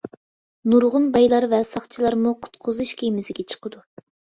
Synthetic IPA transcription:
nuɾʁʊnbɑjlˠɑɾvɛsɑχt͡ʃʰilˠɑɾmuqʰʊ̥t̪qʰʊzuʃkʲʰemɪzɪɡʲɛt͡ʃʰə̥qəd̪u

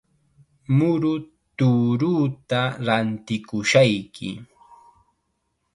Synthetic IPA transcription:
mʊɾʊ | t̪uːɾuːt̪aɾant̪ɪkʊʃajkʰɪ̰

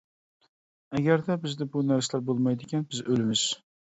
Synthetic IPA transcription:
aɡʲaɾd̪abɪzd̪ɪbʊnaɾsalaɾbolˠmajd̪ɪkʲanbɪzɵlɪmɪz̥

